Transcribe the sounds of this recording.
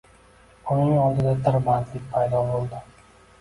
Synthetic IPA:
ʊnɪŋɑlˠd̪ɪd̪ad̪ɪɾbant̪lɪk̚ʲpʰajd̪ɒbolˠd̪ɪ

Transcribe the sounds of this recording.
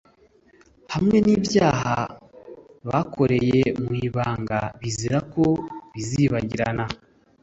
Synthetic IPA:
hamŋe̞niːbjaːɦa | βakʰo̞ɾe̞jemwiːβaːŋɡaβiziɾako̞βiziβaɟiɾana

